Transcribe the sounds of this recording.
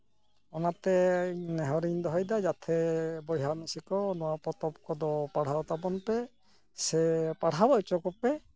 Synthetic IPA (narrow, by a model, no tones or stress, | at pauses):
ɔnat̪ɛnɛɦɔɾiɲd̪ɔɦɔjd̪ad͡ʒat̪ʰɛbɔjɦanɔsikɔnɔwapɔt̪ɔp̚kɔd̪ɔpaɽ̤aɔt̪abɔnpɛ | sɛpaɽ̤abɔjt͡ʃɔkɔpɛ